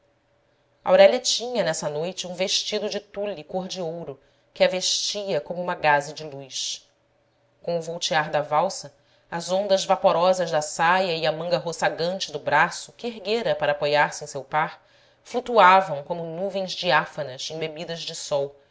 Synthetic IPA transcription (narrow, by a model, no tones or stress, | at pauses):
ɐ̰awɾɛlɐt͡ʃĩɲɐnɛsɐnojt͡ʃɪũveʃt͡ʃid̪ʊd͡ʒɪt̪ulikoɾd͡ʒiowɾʊ | kɪɐveʃt͡ʃiɐkõmʊũmɐɡazɪd͡ʒɪlujʃ | kõw̃ʊvowt͡ʃiaɾd̪ɐvawsɐ | ɐzõnd̪ɐzvapoɾɔzɐzd̪ɐsajɐiɐmɐ̃ŋɡɐɦosaɡɐ̃nt͡ʃɪd̪ʊbɾasʊkɪeɦɡeɾɐpaɾɐaːpojaɾsɪẽsewpaɾ | flut̪uavɐ̃w̃kõmʊnuvẽj̃zd͡ʒiafɐnɐzẽj̃bebid̪ɐzd͡ʒɪsɔw